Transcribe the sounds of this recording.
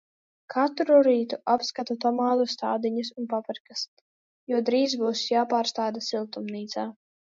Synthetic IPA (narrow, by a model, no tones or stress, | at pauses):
kʰat̪ɾuɾiːt̪uʔapskat̪ut̪ɔmaːlˠust̪aːd̪iɲasunpapɨɾkas | juɔd̪ɾiːzbuːsjaːpaːɾst̪aːd̪asilˠt̪umniːt̪saː